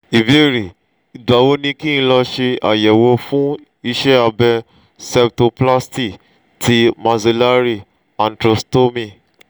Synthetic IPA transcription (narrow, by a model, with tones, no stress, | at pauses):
i˨bi˦e˦˨ɾi˨ | i˨da˨˦wo˦nĩ˧ki˦ĩ˧˦lɔ˧ʃe˧a˨jɛ˨wo˧fũ˦ | i˦˧ʃɛ˦a˧bɛ˧ | sɛ˦bto˧pla˦sti˦˨k | ti˧˦mã˧se˧la˦ɾi˦ | ã˨n̩˨tɾo˧sto˦mĩ˧˨